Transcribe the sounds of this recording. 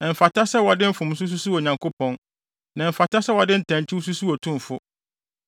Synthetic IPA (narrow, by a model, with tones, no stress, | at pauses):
ɛ˨m̩˨fa˨tʰa˦sɛ˦wɔ˨dɪ˦m̩˦fʊ̃˨m˦s̬ʊ˦s̬u˦su˦o˨ɲã˨ŋkʰʊ˦pʰɔ̃˨n | nã˨m̩˨fa˨tʰa˦sɛ˦wɔ˨dɪ̃˦n̩˦tʰã˨ɲ˨t͡ɕʰɪ˦wu˦s̬u˦su˦ɔ˨tʰʊ̃˦m˨fʊ˦